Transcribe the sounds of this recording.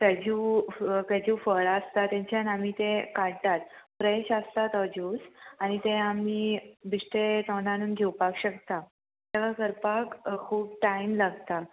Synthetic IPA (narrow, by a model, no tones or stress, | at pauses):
kəd͡ʑũkəd͡ʑũːfəɭast̪at̪jãɲt͡ɕjanamiːt̪ẽkaɽt̪at̪̚pɾəeɕast̪at̪əd͡ʑuːsaɽ̃it̪ẽamiːbʱiʂʈet̪əɖãnuːnɡʱewpakɕəkt̪a | t̪eʋakəɾpakkʰuːpʈaimlaɡt̪a